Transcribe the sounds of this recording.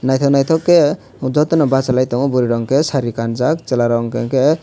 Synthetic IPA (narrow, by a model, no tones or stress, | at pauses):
najt̪ʰɔnajt̪ʰɔkːe | d͡ʒɔt̪enɔbat͡ʃalajt̪ɔŋɔbuɾiɾɔŋkesaɾikand͡zakt͡ʃelaɾɔŋkeke